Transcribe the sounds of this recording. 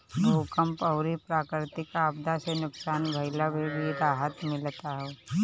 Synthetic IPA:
noːkəmpɐʊɾipɾaːkɾɪɾt̪ɪkaːbd̪asenʊksaːnbʱɐɪlabʱebiɾaːɦət̪mɪlt̪aɦɛː

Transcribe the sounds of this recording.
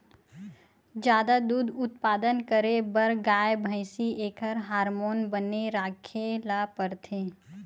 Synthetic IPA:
d͡ʒjaːd̪ad̪uːd̪ʊt̪̚paːd̪ənkəɾebəɾɡaːjbʱəɪsieːkʰəɾɦaːɾmoːnbəneɾaːkʰelapəɾt̪ʰẽː

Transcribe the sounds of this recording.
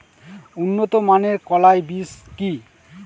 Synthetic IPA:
unːot̪omaneɾkɔlaejbiski

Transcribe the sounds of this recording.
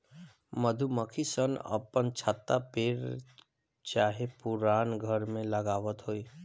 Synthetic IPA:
məd̪ʱuməkʰisənə̰pənt͡ʃʰat̪ːapeːɾ | t͡ʃaːɦepʊɾaːnɡʱəɾmẽləɡaːʋət̪ɦoːiː

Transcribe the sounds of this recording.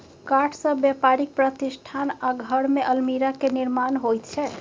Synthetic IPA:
kaʈʰsə̃bjepaɾik̚pɾət̪isʈʰanaɡʱəɾmeʔəlmiɾakeniɾmanɦojt̪̚t͡ʃʰɛ

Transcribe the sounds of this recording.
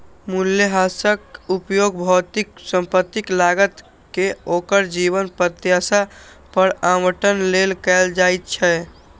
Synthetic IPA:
muljəɦasəkupjoɡbʱɔt̪iksə̃mpət̪ːiklaɡət̪ | keokəɾd͡ʒibənpɾət̪jasa | pəɾaməʈənlelkɛld͡ʒajt̪̚t͡ʃʰɛ

